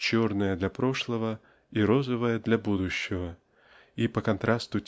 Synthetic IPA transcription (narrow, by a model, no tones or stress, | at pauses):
t͡ɕo̞rnəjəd̪lʲɐpɾo̞ʂlˠəvə | iɾo̞zəvəjəd̪lʲɐbud̪ʊɕːɪvə | ipəkɐnt̪ɾʔast̪ʊtʲ